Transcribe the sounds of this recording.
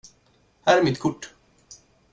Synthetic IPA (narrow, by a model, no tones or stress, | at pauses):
hæːɾæmɪt̪kʰʊʈː